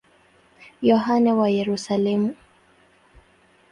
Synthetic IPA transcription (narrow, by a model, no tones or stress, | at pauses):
jɔɦanɛwajɛɾusalɛmu